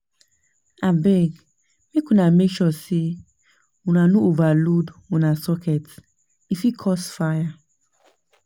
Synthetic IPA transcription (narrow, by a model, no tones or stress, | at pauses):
abɛɡ | mikũnameʃɔsi | unanũovaludunasɔkɛt | ifikʰɔsfaja